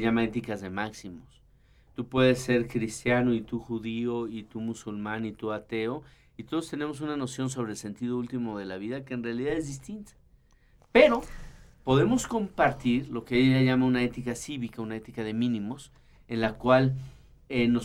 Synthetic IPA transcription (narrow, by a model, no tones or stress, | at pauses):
ʝamaet̪ikazðe̞maksimo̞s | t̪upwe̞ðe̞sːe̞ɾkɾist̪janoit̪uxuðio̞it̪umusulmãnit̪uat̪e̞o̞ | it̪o̞ðost̪e̞ne̞mo̞s̬unano̞sjo̞ns̬o̞β̞ɾeːlse̞nt̪iðo̞ult̪imoðe̞laβiðake̞ːnrealiðaðe̞zðist̪int̪ḁ | pe̞ɾo̞po̞ðe̞mo̞sko̞mpaɾt̪iɾlo̞keejaʝaʝamaunae̞t̪ikasiβikaunae̞t̪ikaðe̞mĩnĩmo̞s | e̞nlakwal | eno